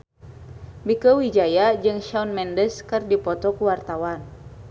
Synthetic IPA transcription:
bikəwid͡ʒajad͡ʒɨŋʃanmɛndəskɨrdipɔt̪ɔkuwart̪awan

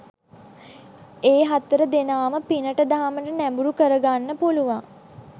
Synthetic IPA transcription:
eːɦat̪əɾəd̪enaːməpinəʈəd̪aɦaməʈənæmbuɾukəɾəɡanːəpuluʋaŋ

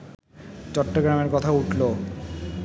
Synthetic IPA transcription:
t͡ɕɔʈːoɡɾameɾkɔt̪ʰauʈʰlo

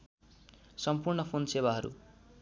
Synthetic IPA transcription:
sʌmpurɳʌpʰonsewaɦʌɾṵ

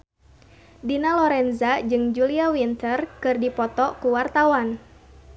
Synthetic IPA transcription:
dinalɔɾɛnzad͡ʒɨŋd͡ʒuliawint̪ərkɨrdipɔt̪ɔkuwart̪awan

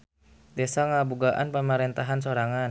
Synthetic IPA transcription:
dɛsaŋabuɡaʔa̰npəməɾɛnt̪aɦansoɾaŋan

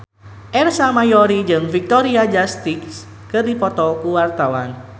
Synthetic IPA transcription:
ʔɛrsamajɔɾid͡ʒɨŋfik̚t̪ɔɾiad͡ʒast̪iks | kərdipɔt̪ɔkuwart̪awan

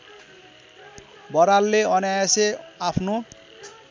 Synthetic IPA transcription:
bɔɾalːeɔnajaseapʰno

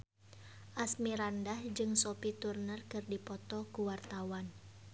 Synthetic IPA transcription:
ʔasmiɾandahd͡ʒɨŋsopit̪urnərkɨrdipɔt̪ɔkuwart̪awan

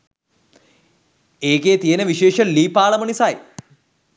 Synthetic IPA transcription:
eːkeːt̪ijenəʋiʃeːʂəliːpaːləmənisaj

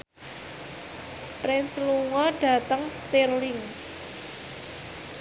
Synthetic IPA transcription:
pɾɪnsluŋɔɖ̥a̤t̪əŋst̪irlɪŋ

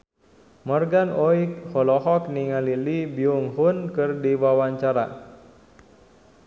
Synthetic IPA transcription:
mɔrɡanɔik̚hɔlɔɦɔkniŋalilibiuŋɦunkɨrdiwawaɲt͡ʃaɾa̰

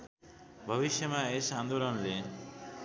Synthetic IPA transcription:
bʱʌʋiʃjʌmaesand̪olɔnle

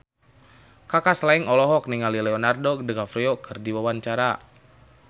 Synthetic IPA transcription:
kakaslaiŋɔlɔɦɔk̚niŋalilɛɔnardodəkafɾiokʰɨrdiwawant͡ʃaɾa

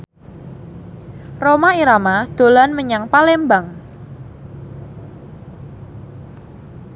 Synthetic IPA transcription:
romaiɾamad̪̥o̤lanməɲaŋpalembaŋ

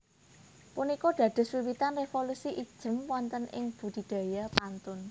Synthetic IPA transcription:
punikɔɖ̪̥ä̤d̪̥ʊ̤swiwit̪anrefolusiʔid̥ʒ̥ə̤mwɔnt̪ənʔɪ̰ŋb̥ṳd̪̥i̤d̪̥a̤japant̪ʊn

